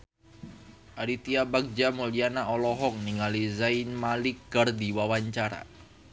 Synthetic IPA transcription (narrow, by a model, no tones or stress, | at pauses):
ʔaɾit̪iabak̚d͡ʒamolianaɔlɔɦɔŋniŋalizainmalikard̪iwawaɲt͡ʃaɾa̰